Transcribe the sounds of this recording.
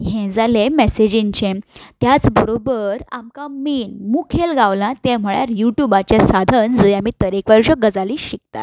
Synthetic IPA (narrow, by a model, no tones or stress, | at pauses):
ɦɛ̃d͡zalemɛsed͡ʑĩɲt͡ɕẽt̪jat͡sbəɾobəɾa̰mkamiːnmukʰelɡaʋlãt̪ẽm̤əɭja̰ɾjuʈjubat͡ɕesad̪ʱənd͡zjamiːt̪əɾekʋəɾʂəɡəd͡zaliːɕik̚t̪a̰t̪